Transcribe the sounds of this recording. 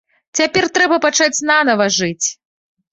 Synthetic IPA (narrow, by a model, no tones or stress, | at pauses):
t͡sʲapʲɛrt̪ɾɛbɐpat͡ʂat͡sʲnanɐvɐʐɨt͡sʲ